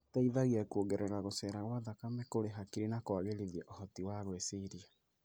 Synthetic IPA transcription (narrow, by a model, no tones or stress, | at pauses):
taiðaɣiɛkuoɡɛɾɛɣaɣosɛɾaɣwaðakamɛkoɾeɦakiɾenakowaɣeɾiðiɛʔohɔtiwaɣweseɾia